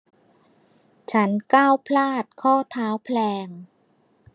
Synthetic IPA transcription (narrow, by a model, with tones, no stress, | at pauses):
t͡ɕʰa˦˥nkaː˥˩wpʰlaː˥˩t̪̚kʰɔː˥˩t̪ʰaː˦˥wpʰlɛː˧ŋ